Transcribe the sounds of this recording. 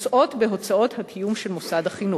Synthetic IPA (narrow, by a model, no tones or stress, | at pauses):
t͡sʔo̞t̪beɦo̞t͡sao̞thatʰijumʃe̞lmosadhaχinu